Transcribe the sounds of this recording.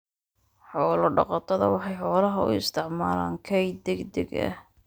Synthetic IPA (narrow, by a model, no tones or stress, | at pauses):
ħɔːlɔɖɑ̰qɑt̪ʰɐðɐ̰wɑħɑjħɔːlɐɦɐʊ̰ɪst̪ʰɪʕmaːla̰ːŋkʰɛjd̪ɛɡd̪ɛ̰ɡɐ̰h